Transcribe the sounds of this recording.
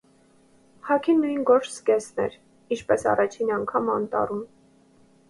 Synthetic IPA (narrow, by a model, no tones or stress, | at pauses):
hɑkʰinːujnɡɔɾt͡ʃʰskɛsnɛ̰ɾ | int͡ʃʰpɛsɑ̰rɑt͡ʃʰinɑŋkʰɑmɑnt̪ɑ̰rum